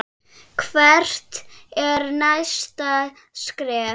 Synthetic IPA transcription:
kʰvɛr̥t̪ɛɾnajst̪a | skɾɛː

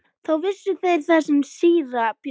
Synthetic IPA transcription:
θawvɪsːʏθejɾ̥θasɪnsiːɾapj

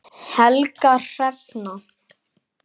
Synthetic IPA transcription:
hɛlkar̥ɛvna

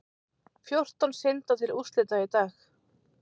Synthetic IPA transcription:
fjowr̥t̪ɔnsɪnt̪at̪ʰɪlust̪lɪt̪ait̪aːx

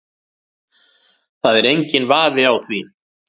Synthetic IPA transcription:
θaðɛɾejɲcɪnvaːvɪawθvi

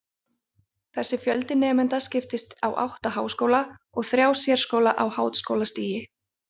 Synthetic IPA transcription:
θɛsːɪfjœlt̪ɪnɛːmɛnt̪ascɪft̪ɪst̪awʔa̰wht̪ahaːwskoːwla | ɔɣθɾjaːwsjɛɾ̥skoːwlaʔawhaːwt̪skoːwlast̪iːjɪ

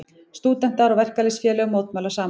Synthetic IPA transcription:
st̪uːt̪ɛn̥t̪aɾawvɛr̥kalesfjɛːlɛɣmoːwt̪mœːlasaːm

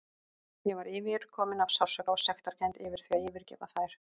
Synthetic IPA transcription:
jɛvaɾɪːvɪɾ̥kʰɔːmɪnav̥saw̥sœkawsɛxt̪aɾ̥cʰajnt̪ɪːvɪɾ̥θviaðjɛːvɪɾcɛːpaθajɾ̥

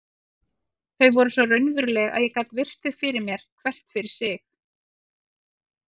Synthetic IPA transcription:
θœɥvɔɾʏsvɔrœɥnvʏɾlɛɣa̰ðjɛkaːt̪vɪr̥t̪ʏfɪɾɪɾmjɛɾ̥kʰvɛr̥t̪fɪɾɪɾ̥sɪx

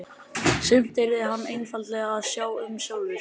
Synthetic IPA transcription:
sʏmt̪ɪɾɪɦanːejnfalt̪lɛːɣaːðsjaːwʏmsoːwðʏɾ̥

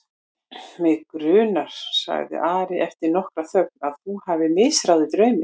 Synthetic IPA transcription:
mɪkɾʏːnaɾ̥sa̰ɣðɪ̰ʔaːɾɪʔɛft̪ɪɾnɔhkɾaθœk̚nað̥θuhavɪmɪsɾawðɪt̪ɾœːɥmɪ

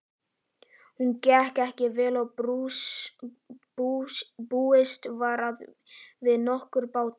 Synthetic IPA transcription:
huncɛhkɛhcɪvɛːla | puːɪst̪vaɾað | vɪðnɔhkʏɾpaːwt̪

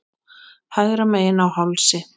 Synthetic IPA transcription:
hajɣɾamejɪnawhawlsɪ

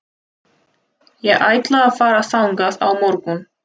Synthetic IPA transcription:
jɛɣʔaːjt̪laɣafaːɾaθawŋkaða̰wmɔɾkʏm

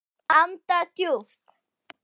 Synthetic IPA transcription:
amt̪at̪juft̪

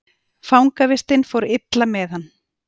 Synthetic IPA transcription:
fawŋkavɪst̪ɪnfowɾɪt̪lamɛðhanː

